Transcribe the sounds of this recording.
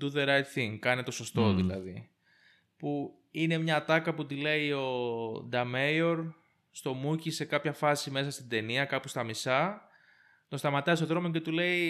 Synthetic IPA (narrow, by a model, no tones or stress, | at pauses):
d̪uðeɾɐjt̪θiŋɡkɐnet̪o̞so̞st̪o̞ðilɐ̰ði | pu | ine̞mɲɐt̪ɐkɐput̪ile̞io̞d̪ɐmejo̞ɾ | st̪o̞mucise̞kɐpçɐfɐsime̞sɐst̪id̪e̞niɐkɐpost̪ɐmisɐ | t̪ost̪ɐmɐt̪ɐist̪o̞ðɾo̞mo̞ce̞t̪ule̞i